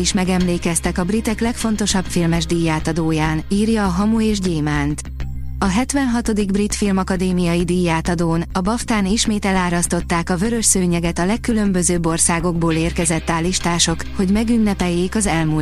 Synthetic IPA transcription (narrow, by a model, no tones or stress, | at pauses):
iʃmɛɡɛmleːkɛst̪ɛkɒbrit̪ɛklɛkfo̞n̪t̪o̞ʃɒbfilmɛʒd̪ijːaːt̪ɒd̪oːjaːniːrjɒːɦɒmueːʒɟeːmaːnt̪ | ɒɦɛt̪ʋɛnɦɒt̪o̞d̪iɡbrit̪filmɒkɒd̪eːmijɒjid̪ijːaːt̪ɒd̪oːnɒbɒft̪aːniʃmeːt̪ɛlaːɾɒst̪o̞t̪ːaːkɒvø̞ɾø̞ʃsøːɲɛɡɛt̪ɒlɛkːylø̞mbø̞zøːbo̞rsaːɡo̞ɡboːleːrkɛzɛt̪ːaːliʃt̪aːʃo̞kho̞ɟmɛɡynːɛpɛjːeːkɒzɛlmu